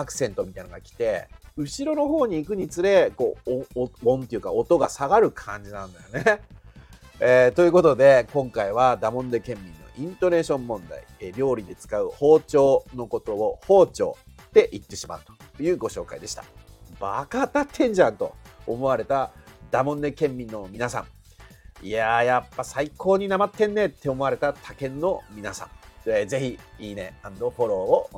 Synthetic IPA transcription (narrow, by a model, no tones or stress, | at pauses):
akɯ̟̥sẽ̞nt̪o̞mʲit̪ainaɡakʲi̥t̪e̞ɯ̟ɕiɾo̞no̞ɦo̞ːɲ̟iːkɯ̟ɲ̟it͡sɨɾe̞ko̞ː | õnt̪e̞jɯ̟ka̰ot̪o̞ɡa̰saɡaɾɯ̟kʰãɲ̟d͡ʑinãnd̪ajone̞ | et̪o̞jɯ̟ko̞t̪o̞d̪e̞kõ̞ŋkaiβ̞ad̪amõ̞nd̪e̞kẽ̞mːʲĩnːo̞̰ʔĩnt̪o̞ne̞ːɕõ̞mːõ̞nd̪a̰ḭɾʲo̞ːɾʲid̪e̞t͡sɨ̥kaɯ̟ho̞ːt͡ɕo̞ːno̞ko̞t̪o̞ːho̞ːt͡ɕo̞̰ːt̪ːe̞ʔit̪ːe̞ɕima̰ɯ̟t̪ojɯ̟ːɡo̞ɕo̞ːka̰id̪e̞ɕi̥t̪abakat̪at̪ʰẽ̞ɲ̟d͡ʑãnt̪o̞̰ːmo̞βaɾe̞t̪ad̪̥amõ̞nd̪e̞kẽ̞mːʲĩnːo̞mʲinasã̰ɴ | ijajapːasaikʰo̞ːɲ̟inamat̪ːẽ̞nːe̞t̪ːe̞omo̞aɾe̞t̪at̪ʰakẽ̞nːo̞mʲinasã̰ŋeze̞çiiːne̞̰ãnd̪oɸo̞ɾo̞ːo